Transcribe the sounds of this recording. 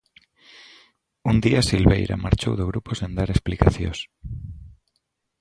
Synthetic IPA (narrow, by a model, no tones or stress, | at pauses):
und̪iasilβejɾa̰ma̰ɾt͡ʃo̰wðoɣɾuposend̪aɾesplikaθjo̰s